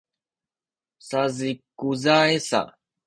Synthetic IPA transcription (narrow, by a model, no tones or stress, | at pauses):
sazikuzaesa̰